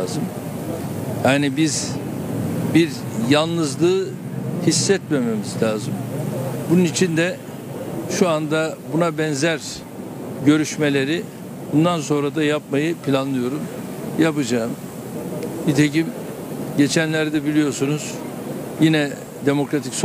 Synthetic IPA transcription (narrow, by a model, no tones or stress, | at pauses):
zɯm | jaːnibiz | biɾ | jalˠnɯzlˠɯːhisːɛt̪me̞me̞mizlʲaːzɯmbununit͡ʃʰind̪ɛ | ʃuand̪abunabɛnzæɾ | ɟø̞ɾyʃme̞lʲe̞ɾi | bund̪anso̞nɾad̪ajapmajɯpʰilʲanlˠɯjo̞ɾumjapɯd͡ʒaːɯm | bit̪ʰe̞cim | ɟe̞t͡ʃʰænlʲæɾd̪ɛbilʲijo̞ɾsunuz̥ | jinɛ | d̪e̞mo̞kɾat̪ʰics